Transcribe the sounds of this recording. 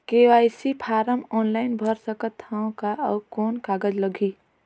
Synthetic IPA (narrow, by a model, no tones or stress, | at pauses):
kewaɪsipʰaːɾəmɔːnlaɪnbʱəɾsəkət̪ʰːaõkaəːkoːnkaːɡəd͡ʒləɡʱi